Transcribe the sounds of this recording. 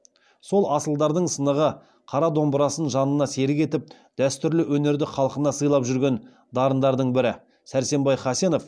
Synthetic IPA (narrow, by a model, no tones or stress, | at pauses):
so̞lˠɑsəlˠd̪ɑɾd̪əɴsənəʁə | qʰɑɾɑd̪o̞mbəɾɑsənʒɑnənɑse̞ɾɪke̞t̪ɪp̚ | d̪̥æst̪ʏɾlɪwɵne̞ɾd̪ɪχʰɑlˠəqənɑsəjlˠɑpʒʏɾɡʲe̞n | d̪ɑɾənd̪ɑɾd̪əɴbɪɾɪ | sæɾse̞mbɑjχɑse̞no̞f